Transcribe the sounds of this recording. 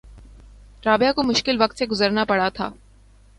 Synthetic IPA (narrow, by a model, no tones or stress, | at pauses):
ʈɾaːbjakomʊʃkɪlʋɐk̚t̪seɡʊzəɾnapɐɽat̪ʰa̰ː